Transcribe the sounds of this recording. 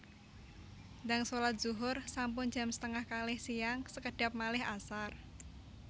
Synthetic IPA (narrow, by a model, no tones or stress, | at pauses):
ndaŋsolat̪̚z̥uɦʊrsampʊn̥d͡ʒ̥a̤msə̥t̪əŋahkalɪhsijaŋsəkəɖ̥a̤p̚malɪɦasar